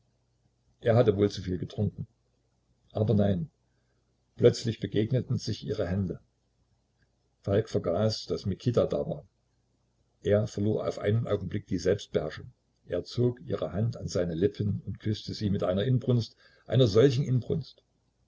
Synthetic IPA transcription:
ʔeːɐɦhatəvoːlt͡sufiːlɡətʁ̥ʊŋkŋ̩ | ʔaːbɐnaɪn | plœt͡slɪçb̥əɡeːɡnətn̩z̥ɪçʔiːʁəɦɛndə | falkfɛɐɡaːsd̥asmɪkʰitada̰ːva̰ːɐ | ʔeːɐfɛɐloːɐʔa̰ʊfʔa̰ɪnənʔa̰ʊɡŋ̩blɪk̚d̥iːzɛlpst̚b̥əhɛɐʃʊŋ | ʔeːɐt͡soːkʔiːʁəhantanzaɪnəlɪpʰənʊntkʰʏstəziːmɪtʔaɪnɐʔɪnbʁʊnst | ʔa̰ɪnɐzɔlçn̩ʔɪnbʁʊ̰nst

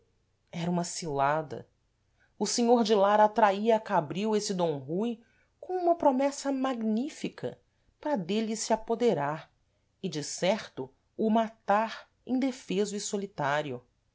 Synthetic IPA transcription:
ɛɾɐũmɐsilad̪ɐ̰ | ʊsẽɲoɾd͡ʒɪlaɾat̪ɾaiɐːkabɾiwesɪd̪õw̃ɦuj | kõũmɐpɾomɛsɐmaɡnifikɐ̰ | pɾɐd̪elɪsɪapod̪eɾaɾ | ɪd͡ʒɪsɛɾt̪ʊ | ʊmat̪aɾ | ḛ̃d̪efezʊɪsolit̪aɾjʊ

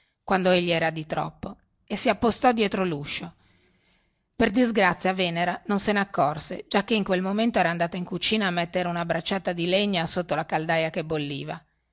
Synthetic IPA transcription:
kwand̪oeʎːiɛːɾad̪it̪ɾɔ̰pːo | esːiapːost̪ɔd̪jɛːt̪ɾoluʃːo | perd̪izɡɾat̪sːjaveːneɾanonseneakːɔrsḛd͡ʒakːeiŋkwelmoment̪oɛːɾand̪aːt̪aiŋkut͡ʃiːnaːmːet̪ːeɾeunabɾat͡ʃːaːt̪ad̪ileɲːasot̪ːolakald̪ajakebːolːiːva

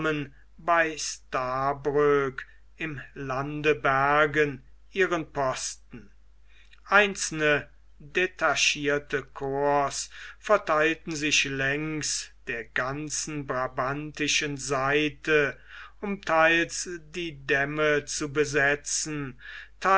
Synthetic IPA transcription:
mən | baɪstaːbʁøk | ɪmlandəbæɐɡən | ʔiːʁənpɔstn̩ | ʔaɪnsl̩nə | detʰaʃiːɐtəkʰoɐsfɛɐtʰaɪltn̩zɪʃlɛŋksd̥eːɐɡansn̩bʁabantɪʃənzaɪtʰəʊmtʰaɪlsdiːdɛmət͡subəzɛt͡sn̩tʰa

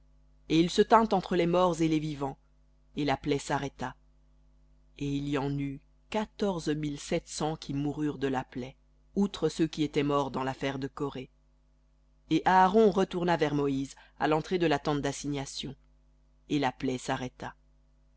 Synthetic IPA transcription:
eilsət̪ɛ̃t̪ɑ̃t̪χəlɛmɔʁzelevivɑ̃ | elaplɛsaʁɛt̪a | eilijɑ̃ny | kat̪ɔʁzmilsɛt̪sɑ̃kʲʰimuʁyʁd̪əlaplɛ | ut̪χəsøkʲiet̪ɛmɔʁd̪ɑ̃lafɛʁd̪əkɔʁe | eʔaːʁɔ̃ʁət̪uʁnavɛʁmɔiz | a̰lɑ̃t̪χed̪əlat̪ɑ̃t̪̚d̪asiɲasjɔ̃ | elaplɛsaʁɛt̪a

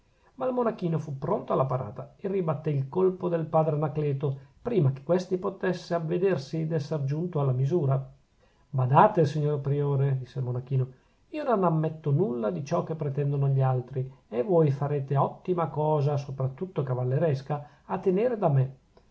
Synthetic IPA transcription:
malmonak̟iːnofupːɾont̪oalːapaɾa̰ːt̪aeribat̪ːeilkolpod̪elpaːd̪ɾenaklɛːt̪opɾiːmake̥kːwest̪ipot̪ɛsːeavːed̪ersid̪ɛsːerd͡ʒunt̪oalːamizuːɾa | bad̪aːt̪esiɲːorpɾioːɾed̪isːelmonak̟iːno | iːononamːɛt̪ːonulːad̪it͡ʃɔk̟ːepːɾet̪ɛnd̪onoʎialt̪ɾievojfaɾeːt̪eɔt̪ːimakɔːzasopɾat̪ːut̪ːokavalːeɾɛska | at̪ːeneːɾed̪ame

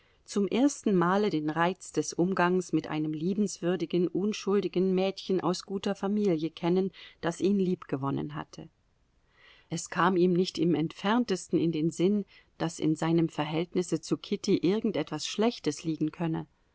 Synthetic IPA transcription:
t͡sʊmʔeːɐstn̩maːlədeːnʁaɪt͡sd̥ɛsʔʊmɡaŋsmɪtʔa̰ɪnəmliːbm̩sv̥ʏɐdɪɡn̩ʔʊnʃʊldɪɡn̩mɛːtçənʔa̰ʊsɡ̥uːtɐfamiːljəkʰɛnənd̥asʔiːnliːpɡ̥əvɔnə̰nɦa̰tʰə | ʔɛskʰaːmiːmnɪçtɪmɛntfɛɐntəstn̩ɪndeːnzɪn | d̥asɪ̰nzaɪnəmfɛɐɦɛltnɪsət͡sukʰɪtiʔɪɐɡŋ̩tʔɛtv̥asʃlɛçtəsliːɡŋ̩kʰœnə

